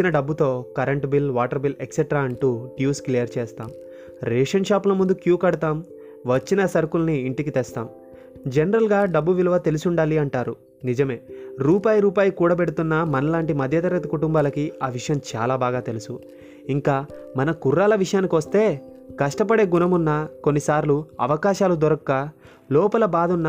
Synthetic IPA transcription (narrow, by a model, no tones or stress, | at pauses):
inɐɖɐbːut̪o̞ːkɐɾɐɳʈbilʋaːʈɐɾbilekseʈɾaːɐɳʈuːʈjuːsklijɐɾt͡ʃɛːst̪a̰ːm | ɾeːʂɐnʂaːplɐmund̪ukjuːkɐɽut̪aːm | ʋɐt͡ʃːinɐsɐɾkulniːɳʈikit̪ɛst̪a̰ːm | d͡ʒenɐɾɐlɡaːɖɐbːuʋilɐʋɐt̪e̞lusuɳɖaːliɐɳʈaːɾu | nid͡ʒɐme̞ːɾuːpaːjɐɾuːpaːjɐkuːɽɐpe̞ɽut̪unːɐmɐnɐlaːɳʈimɐd̪ʱjɐt̪ɐɾɐɡɐt̪ɐkuʈumbaːlɐkiaːʋiʂɐjɐmt͡ʃa̰ːlaːbaːɡaːt̪e̞lusu | iŋkaːmɐnɐkuɾːaːlɐʋiʂɐjaːnikiʋɐst̪e̞ː | kɐʂʈɐp̬ɐɽe̞ːɡunɐmunːɐko̞nːisaːɾluɐ̰ʋɐkaːʃaːlud̪ɔɾɐkːɐ | lɔːpɐlɐbaːd̪unːɐ